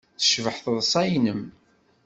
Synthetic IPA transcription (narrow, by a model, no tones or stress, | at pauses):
θə̥ʃvəħθðˤsˤɑjnəm